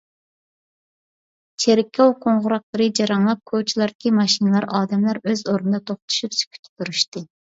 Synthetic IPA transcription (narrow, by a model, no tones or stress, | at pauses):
t͡ʃʰeɾɪkʲʰːɑwqʰoɴʁʊɾɑqlˠəɾɨd͡ʒɑɾɑŋlˠɑp̚kʰot͡ʃʰilˠɑɾd̪̚ɪ̥kʲimɑʃinɨlˠɑɾɑːd̪ɛmlˠɑɾøzoɾnɨd̪ɑt̪ʰoχt̪ʰu̥ʃypsy̥kʲʰy̥t̪ʰɪ̥t̪uɾyʃt̪ɨ